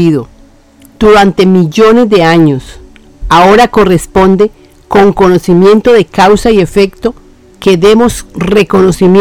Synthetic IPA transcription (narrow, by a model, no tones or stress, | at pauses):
iðo | d̪̥uɾant̪e̞miʝo̞ne̞zd̪e̞aɲo̞s | ao̞ɾakore̞spo̞nd̪e̞ | ko̞ŋko̞no̞simje̞nt̪o̞ðe̞kawsaie̞fe̞kt̪o̞ | keðe̞mo̞sre̞ko̞no̞sim